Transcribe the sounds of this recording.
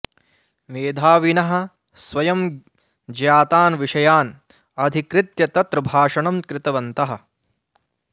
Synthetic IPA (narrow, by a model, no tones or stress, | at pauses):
ʋeːd̪ʱaːʋinɐɦɐ̆ | sʋɐjɐm | d͡ʒjaːt̪aːnʋiʂɐjaːn | ɐd̪ʱikɾɪt̪jɐt̪ɐt̪ɾbʱaːʂɐɳɐmkɾɪt̪ɐʋɐnt̪ɐɦɐ̆